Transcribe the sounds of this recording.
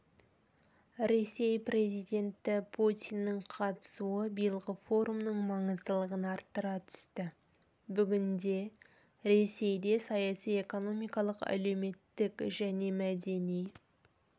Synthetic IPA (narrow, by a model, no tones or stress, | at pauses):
ɾe̞se̞jpre̞zijd̪ʲe̞nt̪ɪpʰut̪ʲijnːɪɴqʰɑt̪ə̥suəbijəlˠʁəfo̞ɾumnəɴmɑɴəzd̪əlˠəʁənɑɾt̪ːəɾɑt̪ʰʏ̥st̪ɪ | bʏɡʲɪnd̪e̞ | ɾe̞se̞jd̪e̞sɑjɑsije̞ko̞no̞mijkɑlˠəqæ̰le̞wme̞t̪ːɪkʒæne̞mæd̪e̞nij